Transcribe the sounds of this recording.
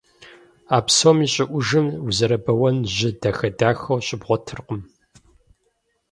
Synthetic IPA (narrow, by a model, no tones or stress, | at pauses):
aːpsomiːɕʼɪʔʷʊʒɨmuzɐɾɐbɐwɐnʑɪdɐxɐdaːxɐwɕʼɪbʁʷɔtʰɨrqəm